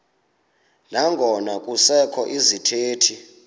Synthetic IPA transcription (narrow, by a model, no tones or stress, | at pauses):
naŋɡʱɔnakʼusɛkʰɔʔizitʰeːtʰi